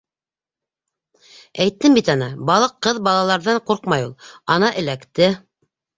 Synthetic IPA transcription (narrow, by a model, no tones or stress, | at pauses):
æjt̪ːɘmbit̪ɑnɑbɑlˠɤqːɤðbɑlˠɑlˠɑɾðɑɴquɾqmɑjulˠɑnɑʔɘ̆lækt̪ɘ